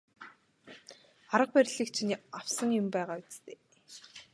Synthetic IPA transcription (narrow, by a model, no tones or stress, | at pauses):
aɾə̆q̚pæɾʲɮiːk̚t͡ɕʰinaw̥sə̆ŋjʊmpæːʁaːʊt͡st̪eː